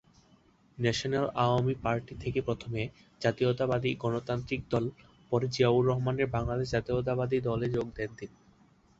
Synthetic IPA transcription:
nɛʃonelaamipaɾʈit̪ʰekepɾot̪ʰome | d͡ʑat̪iot̪abad̪iɡɔnot̪ant̪ɾik̚d̪ɔl | pɔɾed͡ʑiauɾːɔɦmaneɾbaŋlad̪eʃd͡ʑat̪iot̪̬abad̪id̪ɔled͡ʑoɡd̪ent̪ini

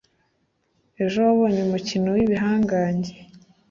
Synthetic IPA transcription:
e̞ʒowaβoːɲeumucinowiβiɦaːŋɡaːɲɟe

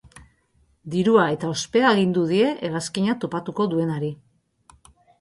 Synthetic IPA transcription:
d̪iɾuae̞t̪ao̞spe̞aeɣ̞ind̪uðie̞ʔelaskiɲat̪o̞pat̪uko̞ðue̞naɾi

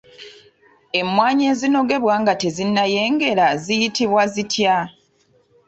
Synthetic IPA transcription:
e̞mːwaːɲeːzino̞ɡe̞βwaːŋɡate̞zinːaje̞ːŋɡe̞ɾazijitiβwazitʰja

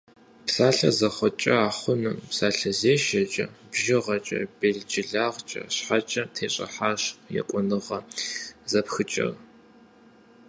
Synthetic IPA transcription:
psaːɬɐzɐχʷɔt͡ʃʼɐaːχʷʊnɨmpsaːɬɐzeːʃɐt͡ʃʼɐ̰bʒɪʁɐt͡ʃʼɐ̰beːɮd͡ʒʼɪɮaːʁt͡ʃʼɐ̰ɕħat͡ʃʼɐtʰeːɕʼɐ̰ħaːɕjɛ̰qʷʼʊnɨʁɐzɐpxɨt͡ʃʼɐ̰r

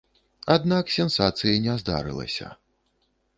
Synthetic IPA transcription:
ad̪naksʲɛnsat̪sɨjɐnʲɛzd̪a̰ɾɨ̰lˠɐ̰sʲɐ̰

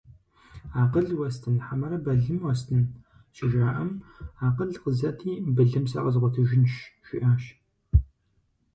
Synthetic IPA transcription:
aːqəɮwɐstʰɨnħamɐɾɐbɐɮɨmwɐstʰɨn | ʃɪʒaːʔɐmaːqəɮqəzɐtʰiːbɨɮɨmsɐ̰ʔɐzʁʷɔtʰɨʒɪnʃʃʷɪ̰ʔaːʃ

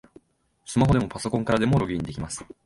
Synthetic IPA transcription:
sɨmaɦo̞d̪e̞mo̞paso̞kõ̞ŋkaɾad̪e̞mo̞ɾo̞ɡʲiːɲ̟id̪e̞kʲimasɨ̥

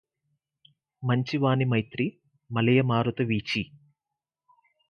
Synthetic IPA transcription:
mɐɲt͡ʃiʋaːnimɐjt̪ɾi | mɐlɐjɐmaːɾut̪ɐʋiːt͡ʃi

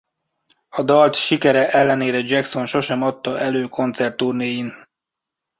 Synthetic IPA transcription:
ɒd̪ɒlt̪ʃikɛɾɛʔɛlːɛneːɾɛd͡ʒɛkso̞nʃo̞ʃɛmɒt̪ːɒʔɛløːkʰo̞nt̪sɛrt̪ːurneːjin

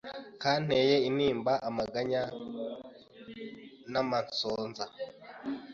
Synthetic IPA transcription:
kan̥ejeiniːmbaʔamaɡaɲa | namansoːnza

